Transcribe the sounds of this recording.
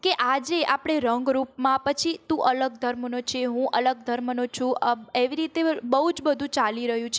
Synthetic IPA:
keʔad͡ʒeʔapɽ̃eɾəŋɡɾupmãpət͡ʃʰit̪ũʔələɡ̚d̪ʱəɾmnot͡ʃʰeɦũʔələɡ̚d̪ʱəɾmnot͡ʃʰũeʋiɾit̪ebəɦud͡ʒbəd̪ʱũt͡ʃaliɾəɦjũt͡ʃʰ

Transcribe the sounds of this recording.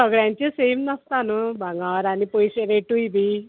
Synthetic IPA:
səɡɭjãɲt͡ɕesemnəst̪anubʱaŋɡaʋəɾaɽ̃ipojɕeɾeʈujbʱiː

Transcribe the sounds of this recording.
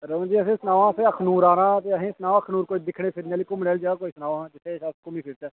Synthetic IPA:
ɾəʋə̃ːd͡ʒiːəsẽːsənaːʋãːsẽːəkʰnuːɾaːɾãːt̪eːəɦẽːsənaːʋãːəkʰnuːɾkoːid̪ɪkʰɽeːpʰɪɾneaːliːkʊmɽɛːld͡ʒaːaːkoːiːsənaːʋːd͡ʒɪt̪ʰːeːʃaːskʊmiːpʰɪɾt̪ɛː

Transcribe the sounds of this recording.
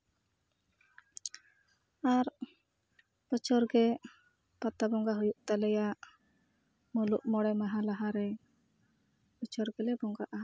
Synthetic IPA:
aɾ | pɔt͡ʃʰɔɾɡɛ | pat̪abɔŋɡaɦujuʔt̪alɛjaʔ | muluʔmɔɽɛmaɦalaɦaɾɛ | pɔt͡ʃʰɔɾɡɛlɛbɔŋɡaʔaa

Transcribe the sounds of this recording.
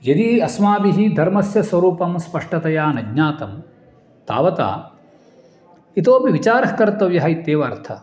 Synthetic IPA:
jɐd̪iɐsmaːbiɦid̪ʱɐɾmɐsjɐsʋɐɾuːpɐmspɐʂʈɐt̪ɐjaːnɐɡɲaːt̪ɐm | t̪a̰ːʋɐt̪a̰ː | it̪oːpiʋit͡ʃaːɾɐɦkɐɾt̪ɐʋjɐɦɐit̪ːeːʋɐːɾt̪ʰɐ

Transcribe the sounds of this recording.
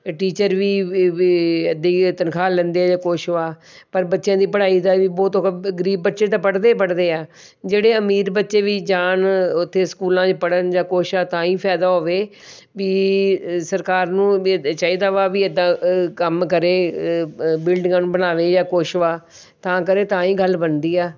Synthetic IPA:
ʈiːt͡ʃəɾʋiː | əd̪iːt̪ənkʰaːlɛ̃ːnd̪eːaːd͡ʒaːkoːʃʋaː | pəɾbətːʃjãːd̪iːpəɽaːiːd̪aːʋiːbɔːt̪oɡəɾiːbːətːʃeːt̪ãːpəɽd̪eːpəɽd̪eːaː | d͡ʒeːɽeːəmiːɾbətːʃeːʋiːd͡ʒaːnʊt̪ʰːeːskuːlãːt͡ʃpəɽənd͡ʒãːkoːʃaːt̪ãːĩːpʰɛːd̪aːɦoːʋeː | ʋiːsəɾkaːɾnũːt͡ʃaːiːd̪aːʋaːʋiːəd̪ãːkəmkəɾeː | bɪlɖɪŋɡãːnũːbənaːʋeːd͡ʒãːkoːʃʋaː | t̪ãːkəɾeːt̪ãːĩːɡəlbənd̪iːaː

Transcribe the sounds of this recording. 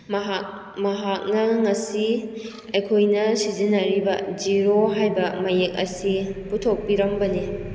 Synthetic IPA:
mɦ | mɐɦak̚nɐŋɐsi | ɐjkʰojnɐsizinɐɾibɐd͡ʒiɾoɦajbɐmɐjek̚ɐ̰siputʰok̚piɾɐmbɐni

